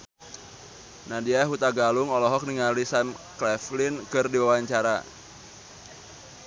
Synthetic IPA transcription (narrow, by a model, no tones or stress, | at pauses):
nadiaɦut̪aɡalʊŋɔlɔɦɔk̚niŋalisamklɛflɪnkɨrdiwawaɲt͡ʃaɾa̰